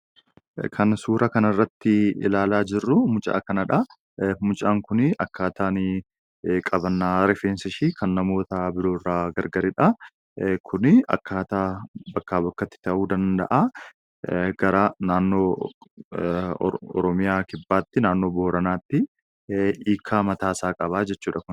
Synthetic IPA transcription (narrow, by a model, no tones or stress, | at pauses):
kʰɐnsuːɾʔɐkɐnɪrːɐt̪ːɪɪ̰laːlaːd͡ʒɪrːʊmʊt͡ʃʼa̰ːkɐnɐᶑɐ | mʊt͡ʃʼaːŋkʊnɪʔɐkːaːt̪aːnɪ | kʼɐbɐnːaːɾɛfeːnsɪʃiːkʰɐnːɐmo̞ːt̪ɐbɪɾo̞ːrːaːɡɐɾɡɐɾɛᶑɐ | kʰʊnɪɐ̰kːaːt̪aːbɐkːaːbɐkːɐt̪ːɪ̥t̪ɐʔuːd̪ɐnd̪ɐ̰ʔa | ɡ̥ɐɾanaːnːo̞ː | ɔ̰ɾɔmɪjaːkɪbːaːt̪ːɪnaːnːo̞ːboːɾɐnaːt̪ːɪ | iːkʰːaːmɐt̪aːsaːkʼɐβaːd͡ʒɛt͡ʃːuːᶑɐkʊn